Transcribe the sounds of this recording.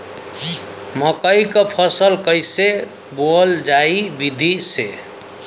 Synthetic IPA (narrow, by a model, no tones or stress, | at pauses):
məkəjkəpʰəsəlkəjse | bold͡ʒaibid̪ʱise